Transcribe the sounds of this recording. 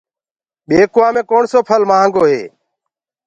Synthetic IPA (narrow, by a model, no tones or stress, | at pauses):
ɓeːkʊãːmẽːkoːɳsoːpʰəlmãːŋɡoːɦḛː